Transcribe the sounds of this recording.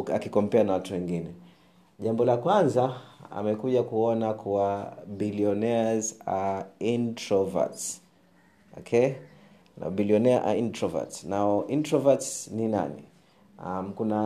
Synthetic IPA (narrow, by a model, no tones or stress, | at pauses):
akikɔm̩pɛanawatuwɛŋɡinɛ | ʄambɔlakwanzaa̰mɛkuʄakuɔnakʰuwabiliɔnɛazaintɾɔva̰ts | ɔ̰kʰɛ | na̰biliɔnɛaʔa̰intɾɔva̰tsnaɔʔintɾɔvatsnina̰nḭ | am̩kuna